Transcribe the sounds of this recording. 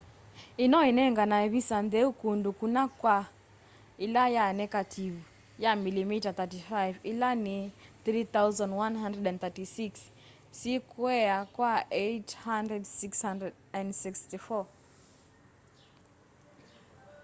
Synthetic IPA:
inɔɛnɛŋɡanaɛβisanðɛukundukunakwa | ilajanɛkatʰivu | jamilimitaθatifajvilaniθɾiθauzɔ̃ndwanɦandɾɛdɛ̃nθatisiks | sikuɛakwaɛthandɾɛdsikshandɛd | ɛ̃ndsikstifɔ

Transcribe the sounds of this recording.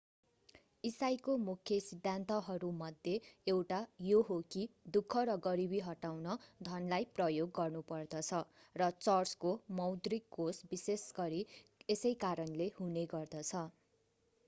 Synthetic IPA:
isajkomukʰjʌsid̪ʱːant̪ʌɦʌɾumʌd̪ʱjeewʈajoɦokid̪ukʰːʌɾʌɡʌɾibiɦʌʈawnʌd̪ʱʌnlajprʌjoɡːʌrnupʌrd̪ʌt͡sʰʌ | rʌt͡sʌrskomʌwd̪rikːosbisesɡʌɾiesʌjkaɾʌnlehuneɡʌrd̪ʌt͡sʰʌ

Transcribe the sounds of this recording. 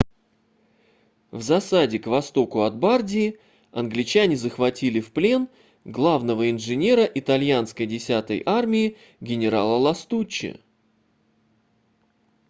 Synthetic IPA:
vzɐsadʲɪkvɐst̪o̞kʊɐd̪̚bardʲɪː | ɐ̰nɡlʲɪt͡ɕanʲɪzəxvɐtʲilʲɪfplʲe̞n | ɡlˠavnəvəɪnʐɨnʲe̞ɾəʔɪt̪ɐlʲjanskəjdʲɪsʲat̪ə̰jʔarmʲɪɪ | ɡʲɪnʲɪɾalˠəlˠɐst̪ut͡ɕːɪ̰

